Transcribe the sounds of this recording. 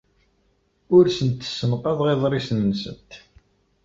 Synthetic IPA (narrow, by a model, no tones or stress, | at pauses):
ʊɾsənt̪ːsːənqɑðˤʁeðˤɾˤisnənsə̰nt̪